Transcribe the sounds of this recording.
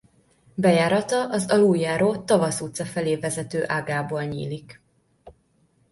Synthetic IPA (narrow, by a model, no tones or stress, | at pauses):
bɛjaːɾɒt̪ɒʔɒzɒlujːaːɾoːt̪ɒvɒsut̪sɒfɛleːvɛzɛt̪øːʔaːɡaːbolɲḭːlik